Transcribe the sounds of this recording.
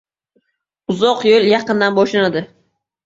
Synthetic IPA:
ʊzɒqjolˠjɑqɨnd̪anbɒʃlanad̪ɪ

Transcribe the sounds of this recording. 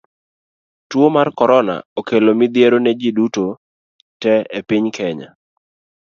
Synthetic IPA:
twomarkɔɾɔna̰okelomɪd̪jeɾonɛd͡ʒɪduto | tɛepiɲkʰɛɲa̰

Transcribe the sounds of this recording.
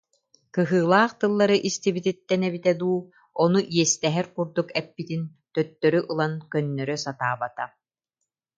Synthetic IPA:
kɯɦɯːlˠaːχt̪ɯlˠːaɾɯʔist̪ibit̪it̪ːɛnɛβit̪ɛd̪uː | ɔnuʔiɛst̪ɛɦɛɾkuɾd̪ukɛpːit̪in | t̪œt̪ːœɾyʔɯlˠankœnːœɾœsat̪aːbat̪a

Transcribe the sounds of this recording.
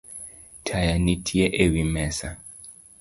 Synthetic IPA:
tʰajanitʰiɛʔewimɛsa

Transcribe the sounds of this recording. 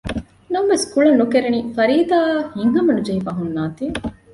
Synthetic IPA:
nɐmʋeskuɭɐnːukeɾenifɐɾiːd̪aːhiŋɦɐmɐnud͡ʒɐɦifɐɦunːaːt̪i

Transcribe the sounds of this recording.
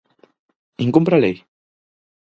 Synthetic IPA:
iŋkompɾalej

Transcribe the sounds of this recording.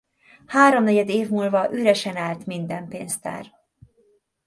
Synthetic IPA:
haːɾo̞mnɛɟɛd̪eːvmuːlvɒʔyɾɛʃɛnaːlt̪mind̪ɛmpeːnst̪ɛ̰r

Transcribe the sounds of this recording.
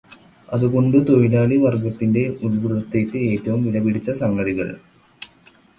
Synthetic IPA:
ɐðuko̞ɳɖɨt̪o̞jilaːliʋɐrɡɐt̪ːinde̞ulbuðɐt̪ːeːkːɨeːtːɐʋumʋilɐbiɽit͡ɕːɐsɐŋɡɐðiɣɐ̰ɭ

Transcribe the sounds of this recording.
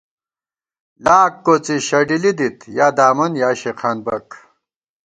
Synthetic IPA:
laːkːot͡siɕɐɖilid̪it̪jaːd̪aːmɐnjaːɕeqʰaːnbɐk

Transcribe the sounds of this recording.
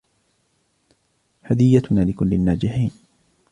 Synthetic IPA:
had̪ɪjːat̪ʊnaːlɪkʊlːɪnːaːd͡ʒɪħiːn

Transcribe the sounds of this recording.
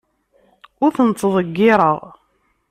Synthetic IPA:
ʊɾθənt͡s̪ːəðˤəɡːɪɾˤəʁ

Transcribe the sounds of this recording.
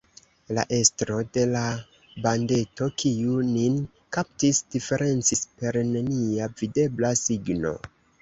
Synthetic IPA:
la̰ʔe̞stɾo̞de̞la | bande̞to̞kʰiunin | kap̚tisd̥ife̞ɾʔe̞nt͡sispe̞ɾneniavide̞blasiɡno̞̰

